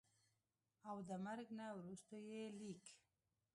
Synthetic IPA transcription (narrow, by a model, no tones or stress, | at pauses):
awd̪əmaɾɡnawɾust̪ojelik